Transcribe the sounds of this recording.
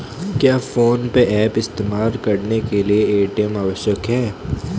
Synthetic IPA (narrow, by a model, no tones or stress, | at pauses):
kjaːfoːnpeʔɛːpɪst̪eːmaːlkɐɾnekelieeːʈemaʋəʃjəkɦɛː